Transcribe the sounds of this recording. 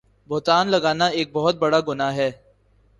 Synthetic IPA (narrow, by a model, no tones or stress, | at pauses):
bʊɦt̪aːnlɐɡaːnaeːk̚bɔɦʊt̪̚bɐɽaːɡʊnaɦɛː